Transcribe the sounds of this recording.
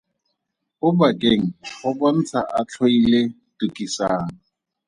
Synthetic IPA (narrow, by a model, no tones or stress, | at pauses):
ʊbakʼeŋ̩χʊbɔn̩t͡sʰa̰ʔat͡ɬʰoile | tukʼisaːŋ̩